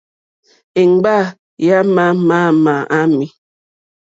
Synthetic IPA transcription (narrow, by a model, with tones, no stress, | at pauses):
i˨ŋ˨˦ɡ͡ba˦˨ | ja˦ma˦ma˦ma˨ʔa˦mi˦